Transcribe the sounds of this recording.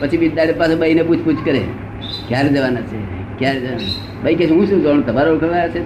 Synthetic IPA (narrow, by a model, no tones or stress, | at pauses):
pət͡ʃʰibid̪aɽepasebəineput͡ʃʰput͡ʃʰkəɾḛ | kjaɾed͡ʒəʋanat͡ʃʰe | kjaɾed͡ʒəana | bəiket͡ʃʰɦũʃũd͡ʒoñt̪əbaɾoukʰəʋanat͡ʃʰe